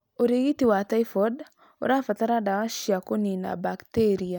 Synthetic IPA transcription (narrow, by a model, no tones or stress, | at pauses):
oɾeɣitiwataifɔd | o̰ɾafataɾadawaʃjakonina̰bakteɾia